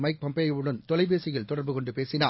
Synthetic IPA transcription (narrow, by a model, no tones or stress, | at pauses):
mɐɪk̚pɐmpeːjɯɽɐnt̪ɔlɐɪʋeːsɪjɐɭt̪ɔɽɐɾbɯkɔɳɖɯpeːsɪnaː